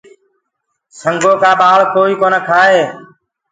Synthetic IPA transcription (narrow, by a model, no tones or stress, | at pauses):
səŋɡʱoːkaːɓaːɭkoːiːkoːnəkʰaːɦeː